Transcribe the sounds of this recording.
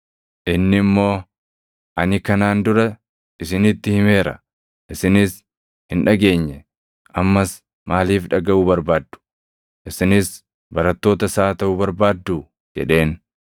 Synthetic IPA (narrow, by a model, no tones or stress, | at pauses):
ʔɪnːɪmːo̞ː | ʔɐnɪkɐnaːnd̪ʊɾɐ | ɪsɪnɪt̪ːɪhɪme̞ːɾɐ | ʔɪsɪnɪs | hɪnᶑɐɡe̞ːɲːɛ | ʔɐmːɐs | maːliːfᶑɐɡɐʔʊbɐɾbaːd̪ːʊ̥ | ʔɪsɪnɪs | bɐɾɐt̪ːo̞ːt̪ɐsaːt̪ɐʔʊbɐɾbaːd̪ːuː | d͡ʒɛ̰ᶑe̞ːn